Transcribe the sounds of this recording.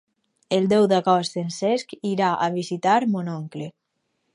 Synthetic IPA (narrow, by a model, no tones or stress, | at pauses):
elˠd̪ɛwd̪akɔst̪enseskiɾaʔaβizit̪aɾmonɔŋkle